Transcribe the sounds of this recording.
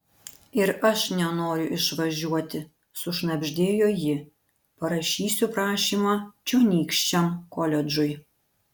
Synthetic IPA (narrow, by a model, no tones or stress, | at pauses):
ɪɾɐʃnʲɛnoːɾʲʊʔɪʃʋɐʒʲuɔt̪ʲɪ | sʊʃnɐbʲʒʲd̪ʲeːjoːjɪ | pɐɾɐʃʲiːsʲupɾɑːʃʲiːmɑːt͡ʃʲɛːnʲiːkʃʲt͡ʃʲɛmkɔlʲɛd͡ʒʊj